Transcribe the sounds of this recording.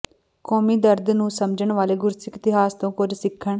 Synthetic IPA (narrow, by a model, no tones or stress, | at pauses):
kɔːmiːd̪əɾd̪nũːsəmd͡ʒəɳʋaːleːɡʊɾsɪkɪt̪ɪɦaːst̪õːkʊd͡ʒsɪkʰːəɳ